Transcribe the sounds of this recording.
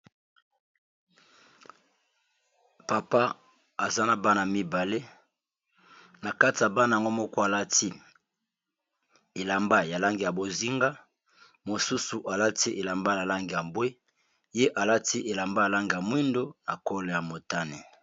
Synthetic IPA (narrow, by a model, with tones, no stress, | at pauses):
pa˨pa˦ | a˨za˦na˦˨ba˦na˨mi˦ba˨le˦ | na˨ka˦ti˨ja˨ba˦na˨ja˨ŋɡo˦mɔ˦kɔ˦a˨la˦ti˦ | e˨la˨mba˦ja˨la˦ŋɡi˨ja˨bo˨zi˦ŋɡa˦ | mo˨su˦su˨ʔa˨la˦ti˦ʔe˨la˨mba˦na˨la˦ŋɡi˨ja˨mbwe˦ | je˦ʔa˨la˦ti˦ʔe˨la˨mba˦ja˨la˦ŋɡi˨ja˨mwi˦ndo˦na˨ko˦lo˨ja˨mo˨ta˦ne˨